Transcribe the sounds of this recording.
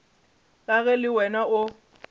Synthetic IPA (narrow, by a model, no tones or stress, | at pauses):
laɣɛlɪwɛnaʊ